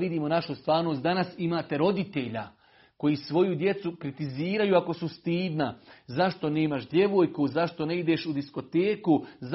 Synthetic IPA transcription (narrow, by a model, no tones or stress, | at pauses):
ʋid̪iːmo̞naʃust̪ʋaːɾno̞ːs̬ʲt̪d̪anasimaːt̪e̞ɾo̞d̪it̪e̞ʎa̰ | ko̞jisʋo̞jud̪je̞t̪sukɾit̪iziːɾajuako̞sust̪iːd̪nazaʃt̪o̞ne̞ːmaʃd̪je̞ʋo̞ːjkuzaʃt̪o̞ne̞id̪e̞ːʃud̪isko̞t̪eːkuz